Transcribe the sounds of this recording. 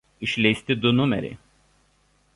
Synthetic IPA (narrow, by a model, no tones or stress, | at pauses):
ɪʃʲlʲɛɪsʲt̪ʲɪd̪ʊnʊmʲɛ̰ɾʲɛ̰